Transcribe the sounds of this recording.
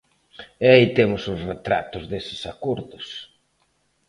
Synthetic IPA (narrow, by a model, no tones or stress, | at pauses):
ɛait̪emʊsʊsret̪ɾa̰t̪ʊzðesɪ̥sakoɾðʊs